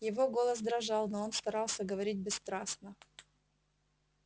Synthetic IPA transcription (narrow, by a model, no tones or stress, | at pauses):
jɪvo̞ɡo̞lˠəsd̪ɾɐʐɑlˠnoonst̪ɐɾɑlˠsʲəɡəvɐɾʲit̚ʲbʲɪst̪ɾasnə